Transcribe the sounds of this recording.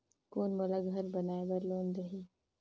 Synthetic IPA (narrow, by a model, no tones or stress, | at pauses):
koːnmolaɡʱɐɾbɐnaːebɐɾloːnd̪ɐɦi